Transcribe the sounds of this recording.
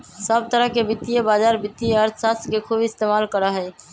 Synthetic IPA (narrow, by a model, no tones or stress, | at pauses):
səb̚t̪əɾəɦkebit̪ːijebad͡ʒaɾbit̪ːieəɾt̪ʰsast̪kekʰubɪst̪emalkəɾəɦəj